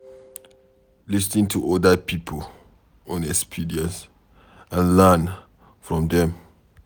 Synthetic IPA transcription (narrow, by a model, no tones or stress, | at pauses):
lis̬nĩŋtʰuʔɔdəpipʰəl | ɔ̃nɛkspʰidiə̃ns | ãnlan | fɹɔ̃mdɛ̃m